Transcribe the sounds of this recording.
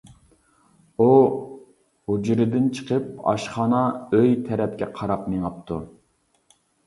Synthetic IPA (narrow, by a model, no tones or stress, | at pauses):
u | hud͡ʒɾɪd̪ɪnt͡ʃʰə̥qʰəp̚ɑ̰ʃχɑːnɑøjt̪ʰɛɾɛp̚kʲɛqʰɑɾɑpneŋɑp̚t̪ʰu